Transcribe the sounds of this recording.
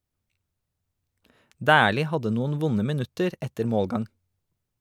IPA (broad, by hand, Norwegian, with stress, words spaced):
ˈdæːliː ˈhɑdə ˈnuːn̩ ˈʋʊnə mɪˈnʉtəɾ ˈɛtəɾ ˈmoːlˌɡɑŋ